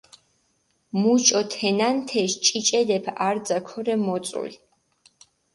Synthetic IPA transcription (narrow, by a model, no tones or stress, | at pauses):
mut͡ʃʼɔt̪ʰɛnant̪ʰɛʃt͡ʃʼit͡ʃʼɛd̪ɛpʰaɾd̪zakʰɔɾɛmɔt̪sʼṵl